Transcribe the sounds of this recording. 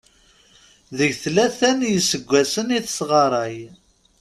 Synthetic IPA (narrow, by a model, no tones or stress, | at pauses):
ðəʝθlæθænjəsəɡʷːæsəniθəsʁɑɾˤɑj